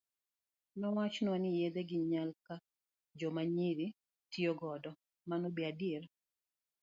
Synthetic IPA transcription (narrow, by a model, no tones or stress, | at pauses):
nɔwat͡ʃnwanɪjed̪eɡɪɲalka | d͡ʒɔmaɲiɾi | tioɡɔdɔ | manɔbiadieɾ